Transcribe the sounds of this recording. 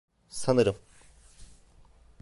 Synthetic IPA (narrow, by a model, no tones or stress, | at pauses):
sanɯɾɯm